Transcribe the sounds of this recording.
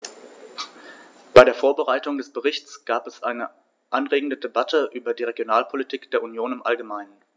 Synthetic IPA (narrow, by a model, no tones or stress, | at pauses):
b̥aɪɾeːɐfoːɐbəʁaɪtʊŋdɛsb̥əʁɪçt͡sɡ̥aːpɛsʔaɪnə | ʔanʁeːɡŋ̩dədebatʰəʔyːbɐdiːʁeɡjonaːlpʰolitʰiːkd̥eːɐʔunjoːnɪmʔalɡəmaɪnən